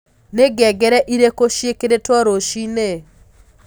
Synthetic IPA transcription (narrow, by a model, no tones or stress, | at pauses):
neɡɛɡɛɾɛʔiɾekoʃjekeɾetwɔɾoʃine